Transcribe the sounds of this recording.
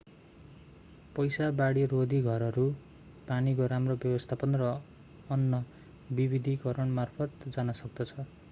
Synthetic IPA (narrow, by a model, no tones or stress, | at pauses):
pʌjsabaɽirod̪ʱiɡʱʌɾʌɾu | panikoɾamrobjʌbʌst̪ʰapʌnrʌː | nːʌ | bibid̪ʱikʌɾʌɳmarpʰʌt̪d͡zanʌsʌk̚d̪ʌt͡sʰʌ